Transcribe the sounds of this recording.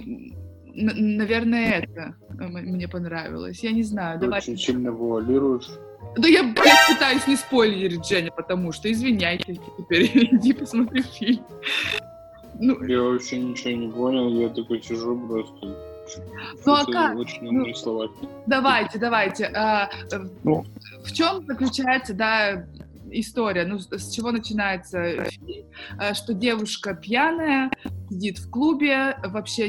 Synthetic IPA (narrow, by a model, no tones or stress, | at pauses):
nnɐvʲe̞rnəjəɛt̪əmmnʲepɐnɾavʲɪ̰lˠə̰sʲjanʲɪznajʊd̪ɐovajt͡ɕɪnʲsʲilʲnəvəɐlʲiɾʊjɪʂ | d̪ɐjabpɨt̪ajʊsʲnʲɪspo̞lʲɪɾ̚ʲʐɛnʲɪpət̪ɐmuʂt̪oɪzvʲɪnʲæjtʲɪtʲɪtʲɪpʲeɾʲdʲipəsmɐt̪ɾʲufʲilʲm | nujaoɕnʲɪt͡ɕɪonʲɪponʲɪlˠjat̪okəsʲɪʐupɾost̪ə | nuɐkaot͡ɕɪnnuoslˠɐva | d̪ɐvajtʲɪd̪ɐvajtʲɪʔa | ft͡ɕo̞mzəklʲʉt͡ɕæjɪt̪səd̪a | ɪst̪o̞ɾʲɪjənusʲt͡ɕɪvo̞nət͡ɕɪnajɪt̪səfʲilʲmʂt̪o̞dʲe̞vʊʂkəpʲjanəjəsʲɪdʲit̪fklˠubʲɪvɐpɕːe